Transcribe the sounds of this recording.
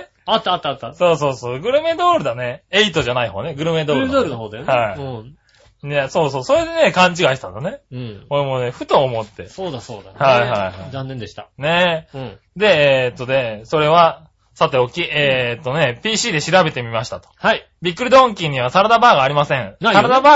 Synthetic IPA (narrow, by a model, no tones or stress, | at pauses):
at̪ːat̪ːaːt̪ːaso̞ːso̞ːsoːɡɯ̟ɾɯ̟me̞d̪o̞ːɾɯ̟d̪ane̞eit̪o̞ʑanaiɦo̞ːne̞ɡɯ̟ɾɯ̟me̞d̪oːɾɯd̪oːɾɯnoɦoːd̪ehaiɯ̃ | neso̞ːsoːso̞ɾe̞d̪e̞ne̞kãɲ̟t͡ɕiɡait̪and̪one̞ɯ̃oɾemone̞ɸɯ̟t̪o̞ːmo̞t̪ːe̞soːd̪asoːd̪ahaiɦaihaizãnːẽnd̪eɕi̥t̪ane̞ | d̪e̞eːt̪ːod̪e̞so̞ɾe̞βa | sat̪ːe̞okʲiʔeːt̪ːo̞ne̞pʲiːɕiːd̪e̞ɕiɾabe̞t̪e̞mʲimaɕi̥t̪at̪o̥hai | bʲikːɯ̟ɾid̪õŋkʲĩɲ̟iβ̞asaɾad̪abaːɡaːɾʲimasẽ̞ɴnsaad̪abaː